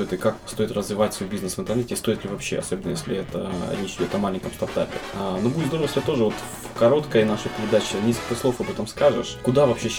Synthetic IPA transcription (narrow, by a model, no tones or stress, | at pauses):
ojɪt̪ɨkakst̪o̞ɪt̪rəzvʲɪvatʲsvo̞jbʲiznɨsvɨnt̪ərnɛtʲɪst̪o̞ɪt̪lʲɪvɐpɕːḛɐ̰so̞bʲɪnəjesʲlʲɪ̰ɛt̪ə̰ɾʲet͡ɕɪdʲo̞t̪ɐmalʲɪnʲkəmst̪ɐrt̪apʲɪnobudʲɪt̪d̪oəvəsʲɪbʲat̪o̞ʐɨvo̞t̪ | fkɐɾo̞t̪kəjənaʂɨpʲɪɾʲɪd̪at͡ɕɪnʲeskəlʲkəsˠo̞fɐbɛt̪əmskaʐɨ̰ʂkʊd̪avɐpɕeɕ